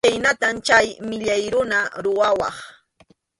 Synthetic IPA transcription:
ajnat̪amt͡ʃajmɪʎajɾʊnaɾʊwawɑ̰χ

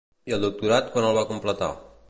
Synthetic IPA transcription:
iəlˠd̪uk̚t̪uɾat̪̚kwanəlˠβakumplət̪a̰

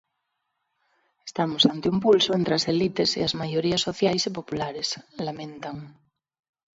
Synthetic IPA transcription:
est̪amosant̪eumpulsoent̪ɾeaselit̪esḭazmaʝoɾiasoθjajsepopulaɾeslamẽnt̪aŋ

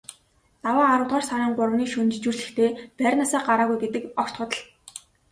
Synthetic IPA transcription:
t̪awaːɾʊːt̪ʁaːrsaɾəːŋpʊrəwniːkʃɵnt͡ɕt͡ɕuːrɮɘ̆xt̪ʰeːpærʲnasaːɢaɾaːɣujɡet̪ɘ̆kɔkʲt̪χʊ̆t̪ə̆ɮ

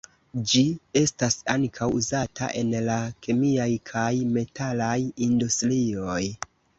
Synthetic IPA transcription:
d͡ʒie̞stasaŋkʰawuzatʰa̰ʔe̞nlakʰemiajkʰajme̞tʰalajindustɾio̞j

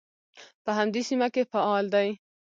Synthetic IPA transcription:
pəɦamd̪esimakefaɑld̪aj

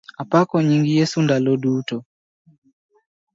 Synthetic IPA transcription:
apakɔɲiŋɡijɛsundalɔɗutɔ

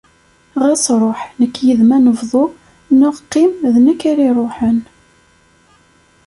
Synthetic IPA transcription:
ʁæsɾˤoħnəkːjəðmænəvðˤo | nʊʁqːɪmðnəkːæɾiɾˤoħən

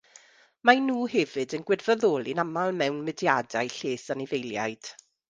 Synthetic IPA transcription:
manuːhɛvɨdənɡwɪdvəðoːlˠinamalˠmɛwnmɪdjadajɬeːsanɪvejlˠja̰jd̥

